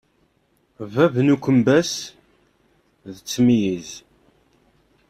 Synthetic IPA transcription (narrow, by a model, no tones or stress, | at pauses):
vævnukʷːəmbæs | ðət͡sːmijiz